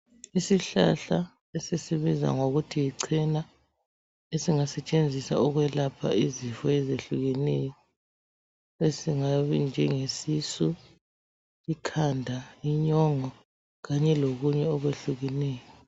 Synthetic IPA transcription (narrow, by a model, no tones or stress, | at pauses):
isiɬa̰ɬa | esesiβiza̰ŋoɣutʰijiǀʰina | esiŋasɛt͡ʃʼend͡zʱisa̰ɔɣwɛlapʰa̰ʔizifɔɛzeɬuɣɛnɛjɔ | esiŋaβind͡ʒʱɛŋesisu | ikʰandʱaiɲɔŋɔ | ɣaɲɛloɣuɲɛɔɣweɬuɣɛnɛːjɔ